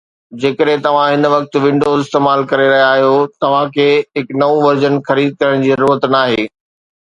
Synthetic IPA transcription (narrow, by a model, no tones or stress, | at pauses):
d͡ʑeːkəɗɦẽt̪ɐʋ̤ãɦɪnʋɐk̚t̪̆ʋɪ̃ɳɖoːzɪst̪eːmaːlkɐɾeɾɐɦjaːɦijot̪ɐʋ̤ãkʰeːɦɪknɐũʋɐɾd͡ʑənxɐɾiːd̪̚kɐɾəɽ̃d͡ʑiːzɐɾuːɾət̪naːɦeː